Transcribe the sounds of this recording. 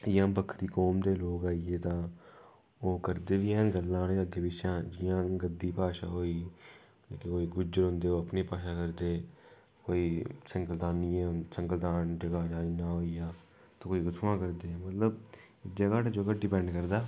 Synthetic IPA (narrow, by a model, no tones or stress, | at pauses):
ɪjãːbəkʰt̪iːkɔːmd̪eːloːkaːiːeːt̪ãː | oːkəɾd̪eːʋiːɛːnɡəlːãːleːəɡeːʋɪʃãːd͡ʒɪjãːɡəd̪ːiːpaːʃa̰ːɦoːiː | kekoːiːɡʊd͡ʒəɾɦʊ̃nd̪eːoːəpniːpaːʃaːkəɾd̪eː | koːiːsəŋkəlt̪aːniːɛ̃səŋkəld̪aːnd͡ʒəɡaːd͡ʒaːiːnaːɦoːijaː | t̪ãːkoːiːɡʊt̪ʰʋãːkəɾd̪eːmət̪ləb | d͡ʒəɡaːʈad͡ʒoɡəɖɪpɛ̃ːɳɖkəɾd̪aː